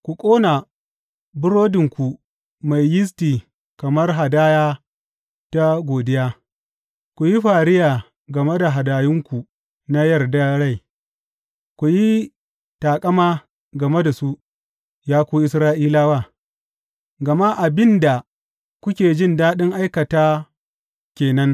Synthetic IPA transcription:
kʷu˨kʷʼoː˦na˨ | bʊ˦ɽoː˦dɪ˨ŋkʷu˨ | ma˨jjɪ˦s̬tiː˨ | kɐ˨mɐ˦rɦa˨daː˦jaː˦ | ta˦ɡʷoː˨dɪ˦jaː˦ | kʷu˨ji˦ɸaː˨ɾɪ˦jaː˨ | ɡɐ˨me˦da˨ɦa˨daː˨jɪ˦ŋkʷu˨ | na˦jɐ˦˨rda˦ɽa˦˨j | kʷu˨ji˦ | taː˨kʼɐ˦maː˦ | ɡɐ˨me˦da˨su˦ | jaː˦kʷoː˦ʔɪ˦sɾaː˦ʔiː˦laː˦waː˦˨ | ɡɐ˨ma˦ʔa˨bɪ˦nda˨ | kʷʊ˦kʲeː˨d͡ʒɪ˦˨ndaː˦ɗɪ˦ŋʔa˦jkɐ˨taː˦ | kʲeː˨nɐ˦ŋ

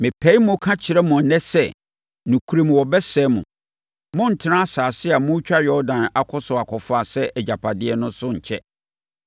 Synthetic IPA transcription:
mɪ̃˨pʰɛ˨˦i˦mʊ̃˦kʰã˦t͡ɕʰɪ˨ɾɛ˦mʊ̃˨nɛ̃˦sɛ˦ | nũ˨kʰu˨˦ɾe˦˨mũ˨wɔ˨bɛ˦sɛː˦mṵ̃˨ | mʊ̃˦n̩˨tʰɪ˦nã˦a˦saː˨sɪ˦a˨mʊ̃˦t͡ɕᶣa˦jɔ˦dã˨na˨kʰɔ˦sʊ˨a˨kʰɔ˨fa˨sɛ˦ʔɛ˨d͡ʑa˨pʰa˨dɪ˦ɛ˦nʊ̃˦sʊ˦ɲ̩˨t͡ɕʰɛ˦

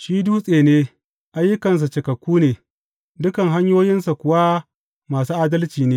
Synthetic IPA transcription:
ʃiː˦duː˦sʼeː˨neː˦ | ʔa˨jːʊ˦kɐ˨ns̬a˨t͡ʃe˨kɐ˨kʷːuː˦neː˨ | dʊ˦kɐ˨ŋɦa˦ɲjoː˦jɪ˦nsa˨kʷʊ˨wa˦ | maː˨suː˦ʔaː˦dɐ˦lt͡ʃiː˨neː˦

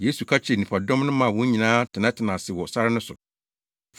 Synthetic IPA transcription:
je˦su˨kʰa˦t͡ɕʰɛ˨nĩ˨pʰa˨dɔ̃˦mnʊ̃˦mã˨wɔ̃˦ɲĩ˨nãː˦tʰɪ˨nã˦tʰɪ˨nã˨sɪ˨wɔ˨sa˦ɾɪ˦nʊ̃˦sʊ̰˨

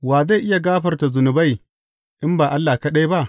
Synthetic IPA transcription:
waː˨za˦˨jʔɪ˦ja˨ɡaː˦ɸɐ˨rta˨zʊ˨nʊ˨ba˦˨j | ʔɪ˦mbaː˨ʔa˦lːaː˨kɐ˦ɗa˦jba˦ʔ

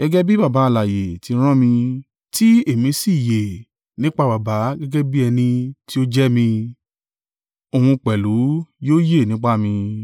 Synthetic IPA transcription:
ɡ̥ɛ˧ɡɛ˦bi˦ba˦˨ba˨˦˧la˨je˨ti˧˦ɾ̃ã˦mĩ˧ | ti˦e˦˨mĩ˧˦si˦˨je˨ | nĩ˦k͡pa˧ba˨ba˨˦ɡɛ˦ɡɛ˦bi˦ɛ˧nĩ˧ti˦o˦d͡ʒɛ˦mĩ˧ | o˨hũ˧k͡pɛ˨lu˨˦joː˦je˦˨nĩ˨˦k͡pa˦mĩ˧

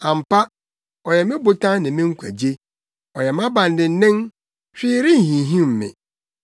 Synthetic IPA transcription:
ã˨m̩˨pa˦ | ɔ˨jɛ˨mɪ̃˦bʊ˨tʰã˦nɪ̃˨mɪ̃˦ŋ̩˦kʷʰæ̰˨d͡ʑe˦ | ɔ˨jɛ˨m˦ã˦bã˨n˨dɪ̃˨n̩˦nɪ̃˦n | ɕᶣɪ˦ɾɪ˦n˨ɦĩ˨ɦĩ˦˨m̩˨mɪ̰̃˨

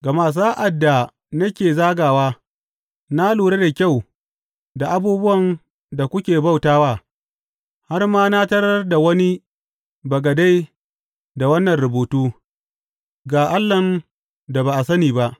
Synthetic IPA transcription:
ɡa˨maː˨s̬aː˦ʔa˨dːa˨ | nɐ˦kʲeː˨zaː˦ɡaː˨waː˦ | na˦luː˨ɽe˦da˨kʲa˦˨w | da˨ʔa˨buː˦bʊ˦wɐ˨n | da˨kʷʊ˦kʲeː˨ba˦˨wtaː˦waː˦˨ | ha˦rmaː˦na˦tɐ˦ɽɐ˦rda˨wɐ˦ni˦ | bɐ˨ɡɐ˨da˦j | da˨wɐ˦nːɐ˨nɾʊ˨boː˨tuː˦ | ɡaː˨ʔa˦lːɐ˨n | da˨baː˨ʔa˨sɐ˦niː˨ba˦ʔ

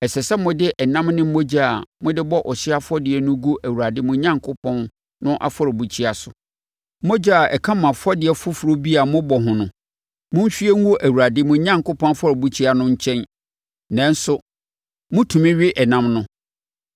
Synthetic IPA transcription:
ɛ˨sɛ˨sɛ˦mʊ̃˦dɪ˦ʔɛ˨nã˦mnʊ̃˦m̩˦o˦d͡ʑa˦˨a˨mʊ̃˦dɪ˦bɔ˦ʔɔ˨ɕɪ˦a˦fɔ˦dɪ˨ɛ˨nʊ̃˦ɡu˦ʔæ˨wu˨a˨dɪ˦mʊ̃˨ɲã˦ŋkʰʊ˦pʰɔ̃˦n | nʊ̃˦ʔa̰˨fɔ˦ɾɔ˨bu˨t͡ɕʰi˦a˨sʊ˨˦ | mo˦d͡ʑa˦a˨ʔɛ̰˨kʰã˦mã˨fɔ˦dɪ˨ɛ˨fʊ˦fu˨ɾo˦bi˦a˨mʊ̃˦bɔ˨ɦʊ̃˨nʊ̃˨ | mʊ̃˦m˦ɕᶣi˦ɛ˦ŋ̩˦o˦ʔæ˨wu˨ɾa˨dɪ˦mʊ̃˨˦ɲã˦ŋkʊ˦pʰɔ̃˦n˦fɔ˦ɾɔ˨bu˦t͡ɕʰi˦a˨nʊ̃˦ɲ̩˦t͡ɕʰɛ̃˦n | nã˨n˦sʊ˦ | mʊ̃˦tʰũ˨mɪ̃˦ɥɪ˦ʔɛ˨nã˦mnʊ̃˦

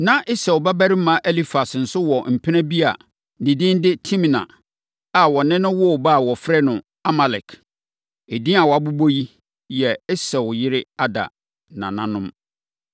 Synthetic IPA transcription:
nã˦ʔɪ˦sɛ˨wba˦bæ˦ɾɪ˦mã˨˦ʔɛ˦li˦fa˨sn̩˨sʊ˦wɔ˨m̩˨pʰɪ˦nɛ̃˦bi˦a̰˨ | nɪ̃˨dɪ̃˦n˦dɪ˦tʰĩ˦mĩ˨nã̰˨ | a˨wɔ˨nɪ̃˦nʊ̃˦wɔ˦˨ba˦˨wɔ˨fɾɛ˦nʊ̃˨ | a˦ma˨lɛ˨kʰ | e˨dĩ˦a˨wɔ˨a˨bu˦bo˦ji˦ | jɛ˨ɪ˦sɛ˨wʊ˨jɪ˦ɾɪ˦a˦da̰˨ | nã̰˨nã˦nʊ̃˦m

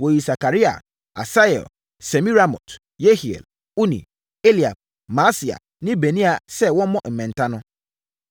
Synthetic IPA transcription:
wo˨ji˨sa˨ka˨ɾi˦a̰˨ | a̰˨sa˦ɛ̰˨l | se˨mĩ˦ɾa˦mɔ̰̃˨t | je˦hi˨ḛ˨l | u˦nḭ̃˨ | e˦li˨a̰˨b̚ | mã˨˦si˨a̰˨ | nɪ̃˦be˨nĩ˦a˨sɛ˦˨wɔ̃˦mɔ̃˦m̩˨mɛ̃˨n˨tʰã˦nʊ̃˦

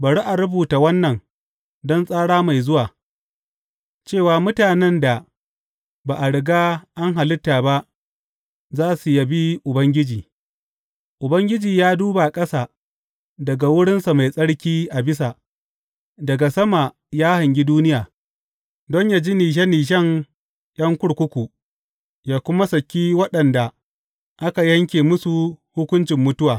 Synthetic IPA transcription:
bɐ˨ɽi˦ʔa˨ɽʊ˦buː˨ta˨wɐ˦nːɐ˨ŋ | dɔ˦nsʼaː˦ɽaː˦ma˨jzʊ˦waː˨ | t͡ʃeː˦˨waː˨mʊ˦taː˨nɛ˦nda˨ | baː˨ʔa˨ɽɪ˨ɡaː˦ʔa˦ŋɦa˨lɪ˦tːaː˨ba˦ʔ | zaː˦su˨ja˨bi˦ʔʊ˨bɐ˦ŋɡʲɪ˦d͡ʒiː˨ | ʔʊ˨bɐ˦ŋɡʲɪ˦d͡ʒiː˨jaː˦duː˦ba˨kʼɐ˦saː˨ | dɐ˨ɡa˨wʊ˦ɽɪ˦nsa˨ma˨jsʼɐ˦ɽkʲiː˦ʔa˨bɪ˦s̬a˨ | dɐ˨ɡa˨sɐ˦ma˨ | jaː˦hɐ˨ŋɡʲi˦duː˦nɪ˦jaː˨ | dɔ˦ɲjaː˨d͡ʒi˦niː˨ʃ̬ɛ˦nːiː˨ʃ̬ɛ˦ŋ | ʔɐ˦ŋkʷʊ˦ɽkʷʊ˦kʷu˨ | jaː˨kʷʊ˦ma˦sɐ˨kʲːiː˦wɐ˦ɗɐ˨nda˨ | ʔa˦ka˨jɐ˦ŋkʲeː˨mʊ˦su˨hʊ˦kʷʊ˦nt͡ʃɪ˨mːʊ˦tʊ˦waː˨

